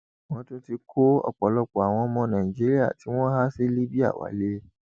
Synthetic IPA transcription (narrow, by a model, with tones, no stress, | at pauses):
wɔ̃˦tʊ̃˦ti˦kʰo˦ɔ̰˨k͡pɔ˨lɔ˦kʷa˨wɔ̃˦mɔ̃˦nã˨i˨d͡ʒe˦ɾi˦a̰˨tʰi˦wɔ̃˦ɦa˦sɪ˦li˦bi˦a̰˨wa̰˨leː˦